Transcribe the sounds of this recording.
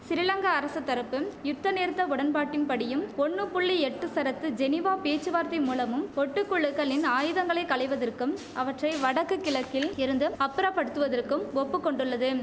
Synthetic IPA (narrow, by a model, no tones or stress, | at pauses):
sɪɾɪlɐŋɡɐːɾɐsɐt̪ːɐɾɐpːɯmjʊt̪ːɐneːɾt̪ːɐʊɽɐnpaːʈːɪnpɐɽɪjɯmɔɳːɯpʊɭːiɛʈːɯsɐɾɐt̪ːɯd͡ʒɛnɪʋaːpeːt͡ʃːɯʋaːɾt̪ɐɪmuːlɐmɯmɔʈːɯkːʊɭːɯɣɐɭɪnaːjɯðɐŋɡɐɭɐɪkɐɭɐɪʋɐðɐrkɯm | ɐʋɐʈrɐɪʋɐɽɐkːɯkːɪɭɐkːɪlɪɾɯnd̪ɯɐpːɯɾaːpɐɽɯt̪ːɯʋɐðɐrkɯmɔpːɯkːɔɳɖɯɭːɐðɯ